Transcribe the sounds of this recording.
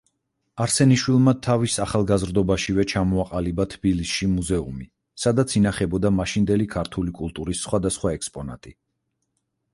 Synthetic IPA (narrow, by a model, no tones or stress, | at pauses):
aɾsɛniʃwilˠmat̪ʰavisaχalˠɡazɾd̪ɔbaʃivɛt͡ʃʰamɔaqʼalibat̪ʰb̥ilisʃimuzɛumi | sad̪at̪sʰinaχɛbɔd̪amaʃind̪ɛlikʰaɾt̪ʰulikʼulˠt̪ʼuɾisːχwad̪asχwaɛkspʼɔna̰t̪ʼi